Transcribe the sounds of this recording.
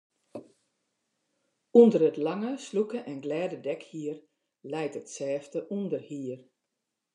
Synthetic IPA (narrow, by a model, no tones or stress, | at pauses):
undərətlaŋəslukəʔɛnɡlɛːdədɛkhiər | lɛjtətsɛːftəʔundərhiər